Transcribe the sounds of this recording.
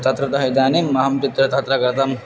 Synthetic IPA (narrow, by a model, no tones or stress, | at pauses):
t̪ɐt̪ɾɐt̪ɐɦɐjd̪aːnimɐɦɐmt͡ʃit̪ɾɐt̪ɐɦt̪ɾɐkɐɾt̪ɐm